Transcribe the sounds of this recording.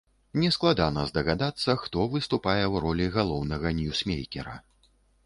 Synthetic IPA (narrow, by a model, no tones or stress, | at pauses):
nʲɛsklˠad̪anɐzd̪ɐɣad̪at̪sːɐxt̪ɔvɨst̪upajɛwɾɔlʲiɣalˠɔwnɐɣɐnʲusmʲejkʲɛ̰ɾɐ̰